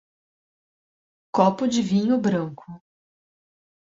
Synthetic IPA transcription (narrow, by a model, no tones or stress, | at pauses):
kɔpʊd͡ʒɪvĩɲʊbɾɐ̃ŋkʰʊ